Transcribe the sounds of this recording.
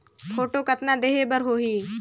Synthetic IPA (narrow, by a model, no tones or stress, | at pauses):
pʰoːʈoːkət̪nãːd̪eːɦeːbəɾɦoːɦiː